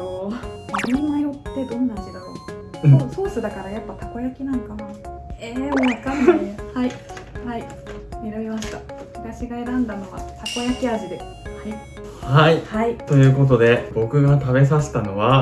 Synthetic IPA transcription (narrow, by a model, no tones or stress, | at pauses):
omaninaiɾo̞t̪ːe̞d̪õ̞nːaʑid̪aɾõ̞̰oso̞ːsɨd̪akaɾajapːat̪ako̞jakʲinãŋkanaeːoβakãnːiehaihai | mʲiɾabʲimaɕi̥t̪abokɯɯɡaɕiɡaeɾãnd̪ano̞βa̰t̪ako̞jakʲiaʑid̪e̞ | haihait̪o̞jɯ̟ːko̞t̪̬o̞d̪e̞bo̞kɯ̟ɡat̪aβe̞s̬aɕi̥t̪ano̞βa